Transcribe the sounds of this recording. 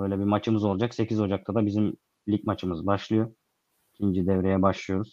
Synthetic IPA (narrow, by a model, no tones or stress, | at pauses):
øjlʲɛbimat͡ʃʰɯmɯzo̞lˠud͡ʒakse̞cʰizo̞d͡ʒak̚t̪ʰad̪abizim | lʲicmat͡ʃʰɯmɯzbaʃlˠɯjo̞ | icʲʰind͡ʒid̪ɛvɾejɛbaʃlˠɯjo̞ɾuz̥